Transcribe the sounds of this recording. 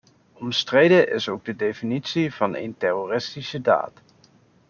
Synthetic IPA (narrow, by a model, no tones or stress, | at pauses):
ɔmstrejdəʔɪsowɡ̚dədejfinitsiv̥ɑnḛjntɛrorɪstisəda̰ːt